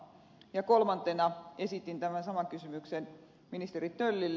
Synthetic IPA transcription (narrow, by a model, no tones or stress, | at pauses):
jɑkolmɑnt̪enɑesit̪ːint̪æmænsɑmɑŋkysymyksen | minist̪erit̪tølːilː